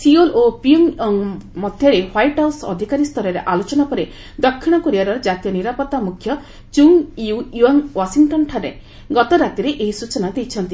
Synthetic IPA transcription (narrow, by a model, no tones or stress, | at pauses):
siolopiuŋŋmɔd̪ʱjɔɾehwajʈɦawsɔ̰d̪ʱikaɾist̪ʰɔɾɔɾeʔalot͡ʃɔnapɔɾe | d̪ɔkʰːiɽ̃ɔkɔɾiaɾɔɾd͡ʒat̪ijɔniɾapɔt̪ːamukʰːjɔ | t͡ʃuŋiujuanwasiŋʈɔnʈʰaɾḛ | ɡɔt̪ɔɾat̪iɾeʔeɦisut͡ʃɔnad̪ejt͡ʃʰɔnt̪i